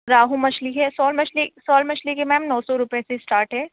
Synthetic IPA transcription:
ɾaːɦũmɐʃliɦɛsɔːlmɐt͡ʃlisɔːlmɐt͡ʃlikemɛ̃ːmnɔːsɔɾʊpjesesʈaːɾʈɦɛː

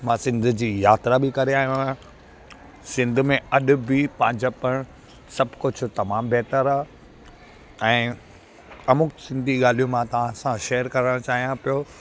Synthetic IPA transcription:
mãːsɪ̃nd̪ʱʊd͡ʑiːjaːt̪ɾabɪkɐɾeaːɦijũã | sɪ̃nd̪ʱʊ̆mẽɐɗʊ̆bɪpɐ̃ɦɪ̃ɲd͡ʑapɐɽ̃ | sɐbʱkʊd͡ʑʰʊ̆t̪ɐmaːmbɛːt̪əɾaː | ɛ̃ː | ɐmʊksɪ̃nd̪ʱiɠaːl̤ijũmãt̪ɐʋãsãʃeːəɾkɐɾəɽ̃t͡ɕaːɦijãpijoː

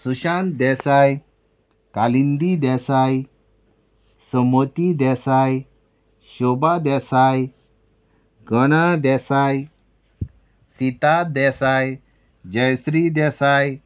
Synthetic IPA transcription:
suɕãnd̪ɛsaj | kalind̪id̪ɛsaj | sɔmɔt̪id̪ɛsaj | ɕɔbad̪ɛsaj | ɡɔnad̪ɛsaj | sit̪ad̪ɛsaj | d͡ʑəjsɾid̪ɛsaj

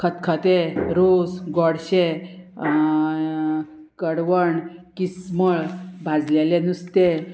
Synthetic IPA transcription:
kʰət̪kʰət̪eɾosɡɔɽɕe | kəɽʋəɳkisməɭbʱad͡zlelenust̪e

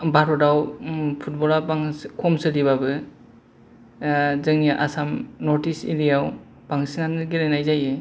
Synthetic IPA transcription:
baɾɔdawpʰut̚bɔlabaŋkʰɔmsɯliβabɯ | zɯŋaʔa̰samnɔɾtisḭlijaw | b̥aŋsinanɯɡilajnajzajɯ

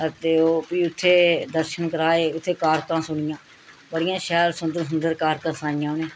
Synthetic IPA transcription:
ət̪eːoːpiːʊt̪ʰːeːd̪əɾʃənkəɾaːeːʊt̪ʰːeːkaːɾt̪ãːsʊɳɪjãː | bəɽɪjãːʃɛːlsʊnd̪əɾsʊnd̪əɾkaːɾt̪ãːsãːɪjãːneː

